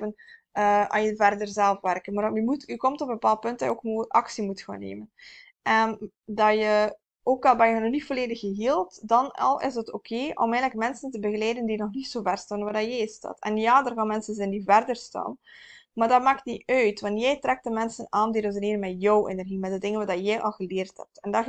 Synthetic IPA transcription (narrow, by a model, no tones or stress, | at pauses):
ənəa̰ːnjəvɛrdərzɛlˠfʋɛrkənmaːrjəmutykɔmtɔpəbpaːlˠt̚pɵnt̚d̥ɑjəoːkmoːɑksimutxa̰ːnːḛːmən | ʔɛn | dɑjə | oːkɑlˠbɛjəənɔnitfoleːdəxəɦiːlˠtdɑnɑ̰lˠɪ̰zətoːkʰeːʔɔ̰mɛːjnləkmɛnsəntəbəɣəlɛːdəndinɔxnitsoːvɛrstaːnʋaːrdɑjɛjsta̰ːtɛ̰njaːdərɣaːnmɛnsənzɛndivɛrdərsta̰ːnmaːrdɑtmaːk̚tniœɥtʋɑntjɛjtrɛk̚tdəmɛnsənaːndidəzəneːrmɛjɔwʔḛnɛrɣimɛt̚dədɪŋənʋaːdɑjɛjʔɑlˠɣəleːrthɛ̰p̚tɛndɑ